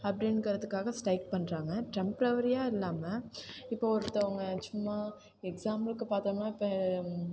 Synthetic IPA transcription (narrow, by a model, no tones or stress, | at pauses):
ɐp̚ɽeɳɖkɐɾɐðɯkːaːɣɐsʈɐɪk̚pɐɳːɾaːŋɡɐʈɛmpɾɐʋɐɾɪjaːɪlːaːmɐɪpːoːɔɾɯt̪ːɐɐʋɐŋɡɐt͡ʃʊmːaː | ɛksaːmlɯkːɯpaːɾt̪aːnaːɪpːɐ